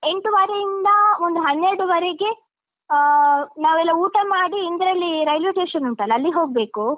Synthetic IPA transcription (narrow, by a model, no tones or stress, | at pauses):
e̞ɳʈuʋaːɾejind̪ɐond̪uɦɐnːeɾɽuʋɐɾeɡe̞ | naːʋɛlːɐuːʈɐmaːɽiːnd̪ɐɾɐlːiɾɐjljuʈeːʃɐnuɳʈɐlːɐːlːiɦo̞ːɡ̚be̞ːku